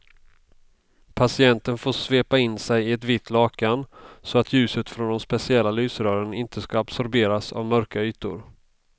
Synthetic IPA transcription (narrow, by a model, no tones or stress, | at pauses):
pʰasɪɛnt̪ənfoːʂveːpaɪnːsɛjɪɛt̪vɪt̪ʰːlɑːkansɔat̪ʰjʉ̟ːsət̪fɾɔnd̪ɛmspɛsɪɛlːalyːsɾœːɾənɪnt̪ʰəskaːbsɔɾbeːɾasa̰vmœɾkayːt̪ʊ̰ɾ